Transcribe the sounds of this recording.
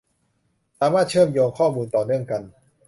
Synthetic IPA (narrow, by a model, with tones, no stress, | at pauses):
saː˦maː˥˩t̪̚t͡ɕʰɤː˥˩˨mjoː˧ŋkʰɔː˥˩muː˧nt̪ɔː˨˩nɯ˥˩əŋka˧n